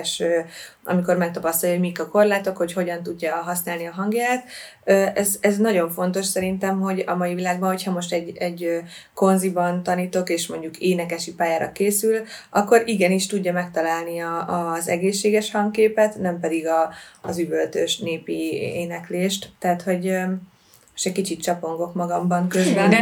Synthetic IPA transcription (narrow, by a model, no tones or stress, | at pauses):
ʃøɒ̰miko̞rmɛk̚t̪ɒpɒst̪ɒjomikɒko̞rlaːt̪o̞kho̞cho̞ɟɒnt̪uɟːɒɦɒsnaːlniɒɦɒŋɡjaːt̪ | øːʔɛzɛznɒɟo̞ɱfo̞n̪t̪o̞ʃsɛɾint̪ɛmɦo̞ɟɒ̰mɒivilaːɡ̚bɒnɦo̞chɒmo̞ʃt̪ɛɟɛɟø | ko̞nzibɒnt̪ɒniːt̪o̞keːʃmo̞ɲɟukeːnɛkɛʃipaːjaːɾɒ̰keːsylʔɒkːoɾiɡɛniʃt̪uɟːɒmɛk̚t̪ɒlaːlniɒːzɛ̰ɡeːʃːeːɡɛʃhɒŋɡkkeːpɛt̪nɛmpɛd̪iɡɒːzybølt̪øʃneːpieːnɛkleːʃt̪ːɛːt̪ho̞ɟø | moʃt̪ɛckit͡ʃit̪t͡ʃɒpo̞ŋɡo̞kmɒɡɒmbɒŋkøzbɛn